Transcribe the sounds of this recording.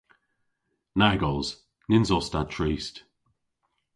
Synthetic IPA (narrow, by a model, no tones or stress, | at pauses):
naɡɔlˠz̥ | nɪnzɔstatʰɹiːst